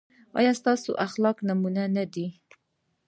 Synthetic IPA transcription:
ʔɑ̰ːjast̪ɑːsṵʔaxlɑːknəmuːnænæd̪i

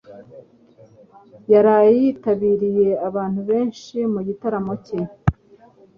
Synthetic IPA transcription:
jaɾajitaβiːɾije̞aβaːn̥huβe̞ːnʃimuɟitaɾamo̞ce

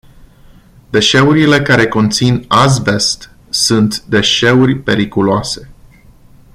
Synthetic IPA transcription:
d̪e̞ʃe̞uɾile̞kaɾe̞ko̞nt̪sinazve̞st̪ | sunt̪d̪e̞ʃe̞urʲpe̞ɾikuloase̞

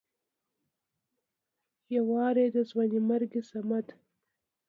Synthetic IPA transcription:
jawɑːɾed̪əzwanimaɾɡisamat̪

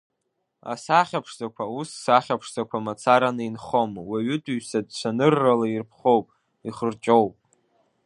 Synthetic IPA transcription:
a̰saχʲapʰʂzakʷʰausːaχʲapʰʂzakʷʰamat͡sʰaɾanɨinχo̞mwaɥʏtʷʼuɥsad̚t͡ʃʷʰanɨrːalairpʰχo̞wpʼ | iχərt͡ʃʼowpʼ

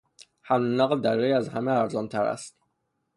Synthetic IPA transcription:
hæmlunæːɣd̪æɾːeiæzhæmeæɾzɒːnt̪ʰæɾæ̰st̪

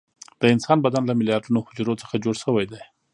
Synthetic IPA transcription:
d̪̥əɪnsɑnbad̪anlamɪljɑɾɖunohʊd͡ʒɾot͡səxad͡ʒoɽʃəwajd̪aj

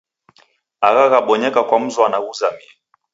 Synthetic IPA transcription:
aɣaɣaɓɔɲɛkakwam̩zɔanaɣuzamiɛ

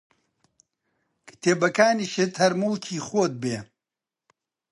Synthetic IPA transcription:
kʰɨ̥t̪ʰeːbɐkaːniːʃɨt̪hɐɾmuːkʰiːxoːd̪̚beː

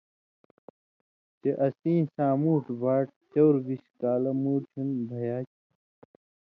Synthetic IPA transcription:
t͡ɕeʔɐsĩːsaːmuːʈbaːʈ̚t͡ɕowɾbiɕkaːlɐmuːɾt͡ɕʰunbʱɐjaːt͡ɕi

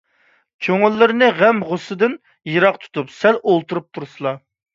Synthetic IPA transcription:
kʲʰøŋylːɪɾnɨʁɛmʁʊsɨd̪ɨn | jɨɾɑqt̪ʰu̥t̪ʰupsɛlolˠt̪uɾup̚t̪ʰuɾsɨlˠɑ

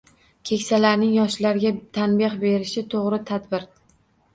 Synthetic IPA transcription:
kʲʰe̞kʲsalaɾnɪŋjɒʃlaɾɡʲat̪ʰanbɪχbe̞ɾɪʃɪt̪ʰoʁɾɪt̪ʰad̪bɪɾ

